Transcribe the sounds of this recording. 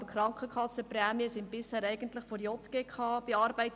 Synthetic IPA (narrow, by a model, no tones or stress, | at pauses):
bəkχɾɑŋkχəkʰɑsːəprɛːmiəsɪnb̥ɪshæːɾɛɪɡ̥əntlɪχfɔɾjɔtɡ̥ekχɑːb̥iɑːɾbɛɪt